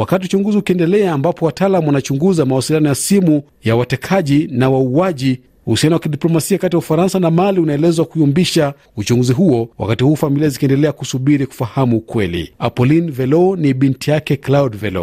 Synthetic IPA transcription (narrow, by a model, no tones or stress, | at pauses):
wakatiut͡ʃuŋɡuziukiɛndɛlɛaːmbapɔwataːlamuwanat͡ʃuŋɡuzamawasilijanɔjasimu | jawatɛkʰaʄinawauaʄi | huhusianawakiɗiplɔmasiakatiaufaɾansanamaliunaɛlɛzwakuiumbiʃa | ut͡ʃuŋɡuziɦuɔwʔa̰katihuːfamiliazikiɛndɛlɛakusuɓiɾiku̥fahamukwɛlḭapɔlinvɛlɔniɓintijakɛklaudvɛlɔ̰